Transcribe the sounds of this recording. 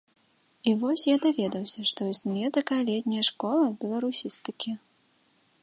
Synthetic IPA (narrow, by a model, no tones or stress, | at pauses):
ivɔsʲjad̪avʲɛd̪ɐwsʲɐʂt̪ɔzʲnʲujɛd̪ɐkalʲɛt̪ʲnʲɐjɐʂkɔlˠɐbʲɛlˠɐɾusʲist̪ɨkʲi